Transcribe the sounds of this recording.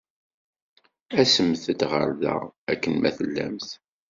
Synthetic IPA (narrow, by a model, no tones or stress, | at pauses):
æsəmθəd̪ʁəɾðæ̰ækːənmæθəlːæ̰mθ